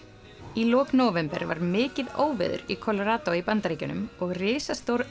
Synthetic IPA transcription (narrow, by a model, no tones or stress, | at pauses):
ilɔːknoːwvɛmpɛɾva̰ɾmɪːcɪðoːwvɪ̰ðʏ̰ɾikʰɔlɔɾaːt̪oipant̪aɾeːcʏnʏmɔɣrɪːsast̪owɾ